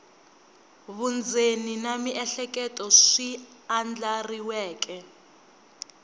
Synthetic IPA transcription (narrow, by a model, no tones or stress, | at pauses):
βund͡zʱeninamiʔɛɬɛkʼɛtʼɔʂiand͡ɮariwɛːk̬ʼɛ